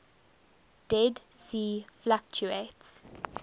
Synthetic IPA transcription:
d̥ɛd | siːflak̚t͡ʃuets

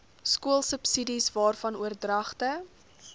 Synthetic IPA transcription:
skuəlˠsəpsidisvɑːrfɐnuərdrɐχtə

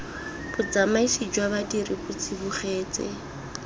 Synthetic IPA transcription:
bʊd͡zamaisid͡ʒwaβadiɾibʊt͡sʰibʊχɛːt͡sɛ̰

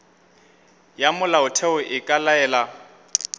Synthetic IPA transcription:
jamʊlaʊtʰɛʊʔɪkʼalaɛːla

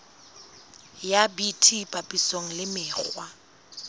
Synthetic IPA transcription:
jabitʰipʼapʼisoŋ̩lɪmɪːk͡xwa

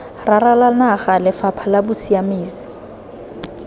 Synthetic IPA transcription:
raralanaɣalɪfapʰalabʊsiamiːsi̥

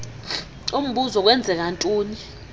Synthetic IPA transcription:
um̩ɓuzɔk̬wɛnd͡zʱɛk̬antʼuːni

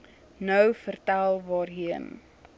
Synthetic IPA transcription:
nœwfərtælˠvɑːrɦiən

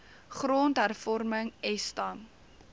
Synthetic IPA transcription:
χroːntɦærfɔrməŋɛstɐm

